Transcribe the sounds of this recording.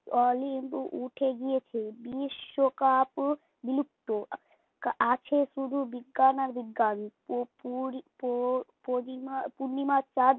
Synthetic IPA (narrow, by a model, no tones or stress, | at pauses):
ɔlimbʔuʈʰeɡijet͡ʃʰebiʃokap | bilup̚t̪o | kat͡ʃʰesɾud̪ʱubiɡanaɾbiɡanppup | oimapuɾnimat͡ʃaɾ